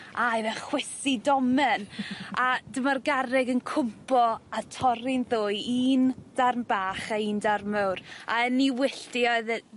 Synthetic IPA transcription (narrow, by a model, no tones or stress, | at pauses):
ajvəχwɪsidɔmɛnʔad̥əmarɡaɾɪɡənkʰʊmpʰɔatʰɔɾɪnðʊɨiːnd̥armbaːχaiːndarməwra̰ɛnːiwɪɬd̥iɔɨð